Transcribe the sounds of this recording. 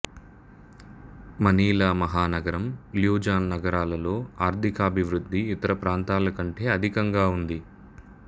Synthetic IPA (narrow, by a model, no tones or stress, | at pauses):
mɐniːlaːmɐɦaːnɐɡɐɾɐmljuːd͡ʒaːnːɐɡɐɾaːlɐlo̞ːaːɾt̪ʰikaːbʱiʋɾud̪ːiːt̪ɐɾɐpɾaːnt̪aːlɐkɐɳʈe̞ːɐd̪ʱikɐŋɡaːund̪i